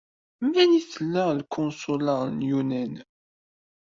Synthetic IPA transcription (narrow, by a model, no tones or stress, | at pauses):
mæniθəlːælkʰʊnsʊləʁnjunæn